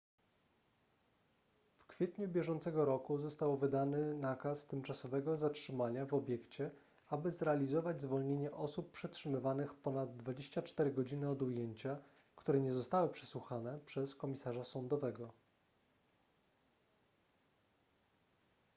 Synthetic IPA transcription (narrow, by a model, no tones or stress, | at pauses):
fkfʲjɛt̪ɲubʲjɛʐɔnt̪sɛɡɔɾɔkuzɔst̪awvɘd̪anɘnakast̪ɘmt͡ʂasɔvɛɡɔzatʂɘmaɲavɔbʲjɛkt͡ɕɛ | abɘzɾɛalʲizɔvad͡ʑʲzvɔlɲeɲɛʔɔsuppʂɛtʂɘmɘvanɘxpɔnad̪ːvad͡ʑeɕt͡ɕat͡ʂt̪ɛɾɘɡɔd͡ʑinɘɔd̪ujeɲt͡ɕa | kt̪uɾɛɲɛzɔst̪awɘpʂɛswuxanɛpʂɛskɔmʲisaʐasɔnd̪ɔvɛɡɔ